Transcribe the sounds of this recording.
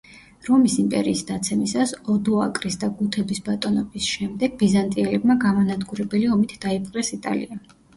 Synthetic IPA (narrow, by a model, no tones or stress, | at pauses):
ɾɔmisimpʼɛ̰ɾiːsd̪at̪sʰɛmisasɔd̪ɔakʼɾisd̪aɡut̪ʰɛbisbat̪ʼɔnɔbisʃɛmd̪ɛɡbizant̪ʼiɛlɛbmaɡamanad̪ɡuɾɛbɛliɔmit̪ʰd̪̥aipʰʼqʼɾɛsit̪ʼa̰lḭa